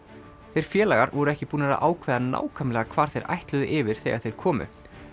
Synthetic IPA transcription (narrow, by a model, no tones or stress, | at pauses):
θejɾ̥fjɛːlaɣaɾvɔɾʏɛhcɪpuːnaɾa̰ʔa̰ːwkʰvɛːðana̰ːwkʰamlɛɣakʰvaːɾ̥θejɾʔa̰jht̪lʏðʏʔɪːvɪɾ̥θḛjɣaðθejɾ̥kʰɔːmʏ̰